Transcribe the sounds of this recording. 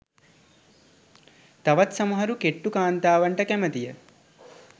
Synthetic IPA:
t̪ɐʋɐt̪sɐmɐɦɐɾukeʈːukaːnt̪aːʋɐɳʈɐkɛmɐt̪ijɐ

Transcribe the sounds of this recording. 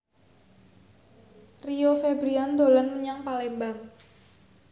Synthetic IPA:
riofebɾiand̪olanməɲaŋpalɛmbaŋ

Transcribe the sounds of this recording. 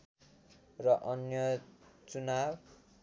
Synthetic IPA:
rʌʔʌnjʌt͡sunab

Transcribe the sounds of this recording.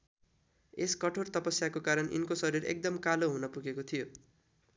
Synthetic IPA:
eskʌʈʰort̪ʌpʌsjakokaɾʌnʔḭnkosʌɾirḛk̚d̪ʌmkaloɦunʌpuɡekot̪ʰijo

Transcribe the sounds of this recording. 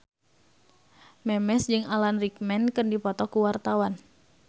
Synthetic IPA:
mɛmɛsd͡ʒɨŋalanrik̚mɛnkɨrdipɔt̪ɔkuwart̪awan

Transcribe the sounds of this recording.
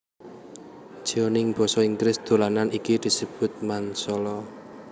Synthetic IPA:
ʒ̥iɔnɪŋb̥ɔ̤sɔiŋɡɾɪsd̪̥o̤lananikid̪̥i̤səb̥ʊ̤t̪̚mansɔlɔ

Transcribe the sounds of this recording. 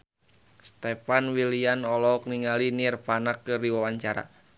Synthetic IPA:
st̪ɛpanwilianɔlɔk̚niŋalinirpanakːɨrdiwawaɲt͡ʃaɾa̰

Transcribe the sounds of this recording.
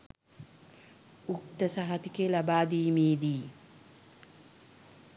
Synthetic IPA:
ʔʊkt̪ːɐsɐɦɐt̪ɪkelɐbaːd̪iːmiːd̪iː

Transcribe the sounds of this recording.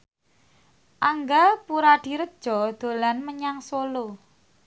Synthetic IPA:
ʔaŋɡapuɾaɖ̪̥i̤ɾək̚d̥ʒ̥ɔ̤d̪̥o̤lanməɲaŋsolo

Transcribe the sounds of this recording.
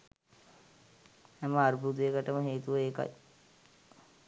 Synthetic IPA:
hɛməaɾbut̪ijekəʈəməɦeːt̪uʋəeːka̰j

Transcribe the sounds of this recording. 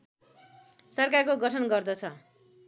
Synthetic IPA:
sʌrkarkoɡʌʈʰʌnɡʌrd̪ʌt͡sʰʌ

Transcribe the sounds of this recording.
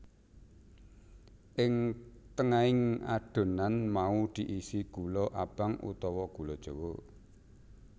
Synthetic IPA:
ʔɪŋt̪əŋaɪŋa̰ɖ̥o̤nanmaud̪̥i̤ʔisiɡ̥ṳlɔʔab̥a̤ŋṵt̪ɔwɔɡ̥ulɔd̥ʒ̥o̤wo

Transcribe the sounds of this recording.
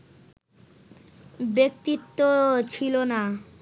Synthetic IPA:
bek̚t̪it̪ːot͡ɕʰilona

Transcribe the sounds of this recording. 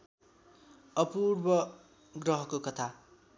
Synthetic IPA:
ʌpurbʌ | ɡrʌɦʌkokʌt̪ʰa

